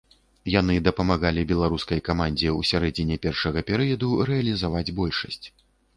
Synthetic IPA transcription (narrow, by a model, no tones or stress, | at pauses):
janɨd̪ɐpɐmaɣalʲibʲɛlˠaɾuskɐjkamanʲd͡zʲɛusʲaɾɛd͡zʲinʲɛpʲɛrʂɐɣɐpʲɛɾɨjɐd̪uɾɛɐlʲizavad͡zʲbɔlʲʂɐsʲt͡sʲ